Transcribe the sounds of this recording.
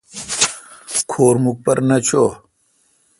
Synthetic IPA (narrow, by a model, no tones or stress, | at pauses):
kʰoːɾmuk̚pɐɾnɐt͡ɕʰoː